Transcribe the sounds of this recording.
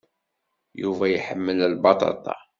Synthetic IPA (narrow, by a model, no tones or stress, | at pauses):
juvæjħəmːəlælbɑt̪ˤɑ̰t̪ˤɑ̰